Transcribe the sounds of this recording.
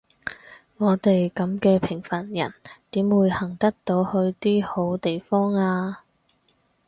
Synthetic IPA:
ŋɔː˨˧t̪e˨jkɐ˨˥mkɛː˧pʰɪ˨˩ŋfɐ˨˩njɐ̰˨˩nt̪iː˨˥mwuː˨˧˥jhɐ˨˩ŋt̪ɐ˥k̚t̪o˨˧˥whɵ˧ɥt̪iː˥ho˨˥wt̪e˨jfɔː˥ŋaː˧

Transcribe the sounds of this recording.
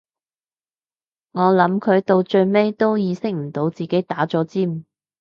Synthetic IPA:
ŋɔː˨˧lɐ˨˥mkʰɵ˨˧ɥt̪o˧wt͡ʃɵ˧ɥme˥jt̪o˥wjiː˨˧sɪ˥k̚m̩˨˩t̪o˨˥wt͡siː˨ke˨˥jt̪aː˨˥t͡sɔː˨˥t͡siː˥m̩˨

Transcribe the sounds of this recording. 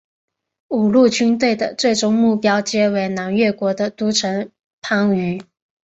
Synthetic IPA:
u˨˩lu˥˩t͡ɕy˥nt̪we˥˩ɪd̪ə̰˩t͡swe˥˩ɪʈ͡ʂʊ˧˥ŋmu˥˩pjɑ˥ʊt͡ɕjɛ˥we˧˥ɪna˧˥nɥɛ˥˩kwɔ˧˥d̪ə˧t̪u˥ʈ͡ʂʰɤ˧˥ŋ | pʰa˥ŋy˧˥

